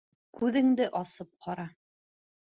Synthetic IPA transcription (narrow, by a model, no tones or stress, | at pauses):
kʉðɘ̆ŋd̪ɘʔɑsɤp̚qʰɑɾɑ